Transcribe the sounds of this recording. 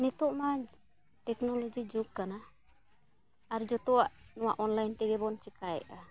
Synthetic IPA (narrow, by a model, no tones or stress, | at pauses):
nit̪uʔma | ʈɛknɔlɔd͡ʒid͡ʒuɡ̚kana | ɾd͡ʒɔt̪ɔwaʔnɔwaʔɔnlajnt̪ɛɡɛbɔnt͡ʃɛkajɛ̰ʔa